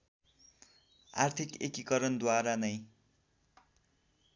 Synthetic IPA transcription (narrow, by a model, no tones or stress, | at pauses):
a̰rt̪ʰikḛkikʌɾʌnd̪waɾanʌj